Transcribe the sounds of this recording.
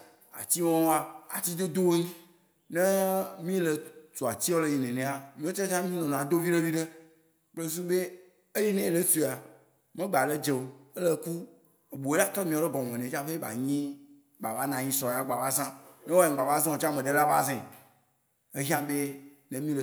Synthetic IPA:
a̰˨t͡ɕ̪i˦wɔ̃˦a˨a̰˨t͡ɕi˦d̪o˦d̪o˦wo˦ɲĩ˦ | nẽ˦mĩ˦le˨to˨a˨t͡ɕi˦wo˦le˦˨ji˨nẽ˨nẽ˨a˨mĩ˦o˦t̪e˦t͡ʃã˦mĩ˦nɔ̃˨nã˨d̪o˦vi˦ɖe˦vi˦ɖe˦ | k͡ple˦s̬u˦be˦ | e˦je˦nẽ˦˨le˦su˨a˨ | mẽ˦ɡ͡ba˨ɖe˦d͡ʒe˨o˨e˦le˦ku˦ | e˨bo˨e˦la˦t̪ɾɔ˦mĩ˨wo˦le˦ɡɔ˨mɔ̃˨nẽ˨t͡ʃã˦ɸe˦ba̰˨ɲĩ˦ | ba˨va˦nã˨ɲĩ˦sɔ˨ja˦ɡ͡ba˨va˦zã˦ne˦wo˦e˨ɡ͡ba˨va˦zẽ˦o˨t͡ʃã˦mẽ˨ɖe˦la˦va̰˦zẽ˨ | e˦ɦã˦be˦ | nẽ˦mĩ˦le˨

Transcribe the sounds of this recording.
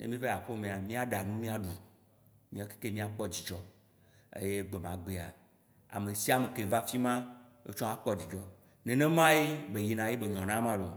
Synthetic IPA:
ḛ˦mĩ˦ve˦a˨ɸo˦mẽ˨a˨mĩ˦a˦ɖa˨nũ˦mĩ˦a˦ɖu˨ | mĩ˦a˦ke̥˦ke˦mĩ˦a˨k͡pɔ˦d͡ʑi˨d͡ʒɔ˦ | ḛ˦je˦ɡ͡be˨mã̰˨ɡ͡be˨a̰˨ | a̰˨me˨si˦a˦˨me˨ke˨va˦fi˦mã˦ | ḛ˦t͡ʃɔ̃˦a˦k͡pɔ˦d͡ʑi˨d͡ʒɔ˦ | nẽ˨nẽ˦mã˦je˦be˨ji˨nã˨je˦be˨ɲɔ̃˨nã˦mã˦lo˨

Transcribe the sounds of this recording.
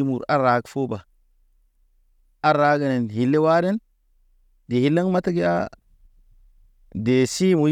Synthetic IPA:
mu˨ɾa˦ɾa˨ɡfo˦ba˨ | a˦ɾa˨˦ɡa˨ne˨n˨hi˨lːe˦wa˦de˦n | de˨hi˨˦lːa˦ŋma˦ta˦ɡi˦a̰˦ | de˨si˦mu˨

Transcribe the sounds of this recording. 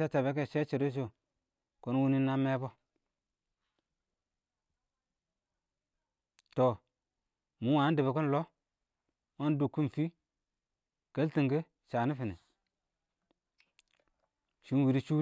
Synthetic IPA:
a˦t͡ʃa˨be˦k̬e˦˨ʃe˦t͡ʃi˨ɾo˦s̬o˨ | ko˨˦n˦wu˦ni˦nːa˦me˦bo˦ | to˨ | mu˨˦wa˨˦de˨be˨ko˦n˦lo˦ | o˦n˦du˨kːu˦n˨fi˦ | ke˦lti˨ŋɡe˦ | ʃa˨ni˦fi˨nḛ˨ | ʃi˨˦n˦wi˨ɾi˦t͡ʃu˦

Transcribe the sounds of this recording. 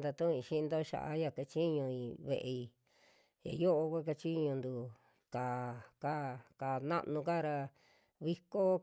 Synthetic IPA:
d̪a˧t̪ũ˦ĩ˧˨ʃi˦˧nd̪o˦ʃa̰˨ʔa̰˦ja˧ka˧t͡ʃi˦ɲũ˧ĩ˧βḛ˨˧ʔe˧i˧ | ja̰˨jo˦ʔo˧kʷe˦k̬a˧t͡ʃi˦ɲũ˧nd̪u˧ | kaː˨ka˦ka˨nã̰˦ʔnũ˧ka˦ɾa˧ | βi˦ko˦

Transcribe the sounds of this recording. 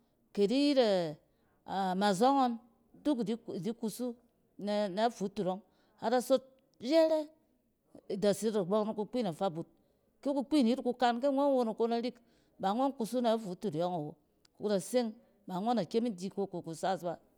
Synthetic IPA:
ke˨di˦ji˦ɾe˨ | a˨ma˨zo˦ŋo˦n | tu˦kdi˦i˨di˦ku˧su˦ | n˨na˨˦fu˨˦tu˨ɾo˦ŋ | a˨da˦so˦t̚ | je˦ɾe˦˨ | da˨si˦ɾa˨ɡ͡bo˦kna˨ku˧k͡pi˦˨na˨fa˦bu˨t̚ | ke˦ku˦k͡pi˦˨n˨i˦ɾku˨˧ka˦nke˦ŋʷo˦n˦wo˦no˨ko˦na˦ɾi˦k | ba˨˦ŋʷo˦nku˧su˦na˨˦fu˨˦tu˨ɾjo˦ŋa˨wo˨ | kda˨se˦ŋ | ba˨˦ŋʷo˦na˨ke˦mi˦di˨˦ko˦ko˨ku˨sa˦˨sba˨

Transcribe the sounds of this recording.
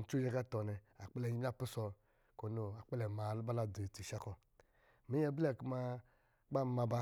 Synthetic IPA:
n̩˨˦t͡ʃu˦d͡ʒɛ˧ka˦tɔ˨nɛ˨a˨k͡pɛ˦lɛ˧˨ji˦a˦˨pi˦sɔ˧ | ko˨˦no˨a˨k͡pɛ˦lɛ˨ma˨lu˦ba˦la˨de˨ti˨ʃa˦kɔ˨ | mi˦jɛ˧blɛ˦˨ku˦ma˧ | ɡ͡ba˦˨˦ma˧ba˧

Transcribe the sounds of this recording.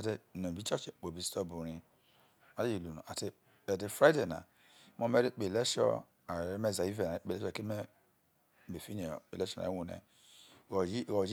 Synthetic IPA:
a˨te˨no˨bi˦t͡ʃɔ˦t͡ʃk͡po˨bi˨stɔ˦bu˨ɾi˨ | a˨˦i˨lu˨nṵ˨a˨te˦ | e˨de˨fɾa˦de˨na̰˨˦ | m˦o˦me˦ɾe˦k͡pe˨le˦ʃɔ̰˦ | a˨ɾme˦˨za˨i˦ve˨a˨˦k͡pe˨le˦˨kme˦˨ | be˨fi˦n̰˨e˨le˦ʃɔ˦˨a̰˨i˦wu˦nḛ˨˦˨ | o˨d͡ʒ

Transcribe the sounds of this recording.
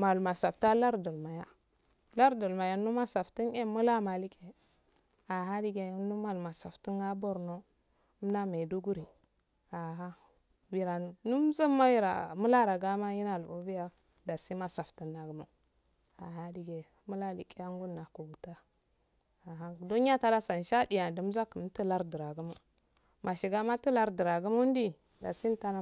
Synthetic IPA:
ma˨lma˨sa˨fta˦la˦ɾdu˨lma˨ja˦ | la˦ɾdu˨lma˨ja˨nu˦ma˦sa˨fti˦ne˦mu˦la˦ma˨li˦ke˨ | a˨ɦa˦di˨ɡe˨˦nu˦ma˨lma˨sa˨fti˦ŋa˦bo˦ɾno˦ | m˦na˦me˨du˦ɡu˦ɾi˨ | a˨ɦa˦ | bi˨ɾa˨nu˦m˦za˦ma˦i˦ɾa̰˨mu˦la˦ɾa˨ɡa˦ma˦ji˦na˨lbo˨bi˦ja˦ | da˨si˦ma˦sa˨fti˨na˨ɡu˨˦ma˨ | a˨ha˦di˨ɡe˨ | mu˦la˦li˨ki˦ja˦ŋɡu˦nːa˨ku˨ɡu˨ta˦ | a˨ɦa˦du˦ni˦a˦ta˦da˦sa˨n˨ʃa˦di˨ja˨du˨m˦za˦ku˨m˦ti˦la˦ɾdi˨ɾa˨ɡu˦mu˨ | ma˨ʃi˨ɡa˦ma˦ti˦la˦ɾdi˨ɾa˨ɡu˦mu˦n˦di˦ | da̰˨si˦n˦ta˦na˨

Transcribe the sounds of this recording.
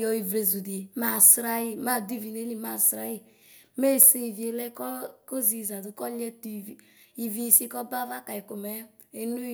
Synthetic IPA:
jɔ˨i˨vɾe˨zu˨di˨ma˨sɾa˦ji˦ma˦˨di˦˨vi˨ne˦li˦ma˦˨sɾa˦ji˦˨ | me˦˨se˦i˨vi˨e˨lɛ˦kɔ˦ko˦zi˨za˨du˨˦kɔ˦lɛ˦tu˨ | i˨vi˦˨si˦kɔ˦ba˦va˦ka˨i˨ko˨mɛ˦ | e˨nu˦

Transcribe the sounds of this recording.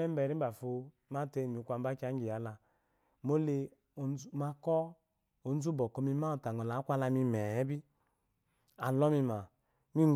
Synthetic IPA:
ɛ˦m̩˦bɛ˨ɾi˦m̩˦ba˨fo˨˧ | ma˦te˦˨mi˨kʷa˨˧m̩˦ba˦ka˨˦ŋ˦ɡi˨ja˨˦la˨ | mo˦le˧˨˦ | ma˧kɔ˦ | o˨n̩˦zu˦bɔ˨ko˦mi˦ma˦o˨ta˨ŋo˨la˨˦kʷa˦la˧mi˧mɛ˨˦bi˦ | a˨lɔ˦mi˧ma˨ | mi˦

